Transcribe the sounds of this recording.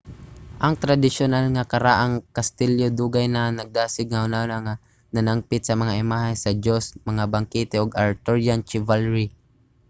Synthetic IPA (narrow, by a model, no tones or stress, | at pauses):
ʔɐŋt̪ɾad̪ɪʃʊnalŋakɐɾaʔaŋkast̪ɪljod̪uːɡajnanɐɡ̚d̪aːsɪɡ̚ŋahʊnaʊnaŋa | nanaŋpɪt̪sɐmɐŋaʔɪmaːɦajsɐd͡ʒosmɐŋabaŋkit̪ɛoɡaɹt̪oɹjant͡ʃɪvalɹi